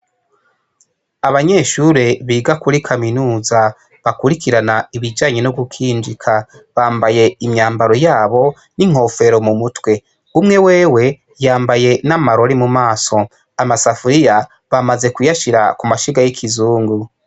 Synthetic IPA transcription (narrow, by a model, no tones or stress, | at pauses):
aβaɲe̞ːʃuɾe̞βiːɡakuɾikʰaminuːza | βakuɾikiɾanaiβid͡ʒaːɲe̞noɡukʰiːnd͡ʒikʰa | βaːmbaje̞imɲaːmbaɾo̞jaːβo̞ | niŋ̥ho̞fe̞ɾo̞mumutwe̞ | umŋe̞we̞ːwe̞ | jaːmbaje̞namaɾo̞ɾimumaːso̞ | amasafuɾija | βamaze̞kujaʃiɾa̰kumaʃiɡajikʰizuːŋɡu